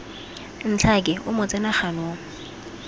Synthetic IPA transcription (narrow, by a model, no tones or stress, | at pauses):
n̩t͡ɬʰakʼɛʔʊmʊt͡sʼɛnaχanoːŋ̩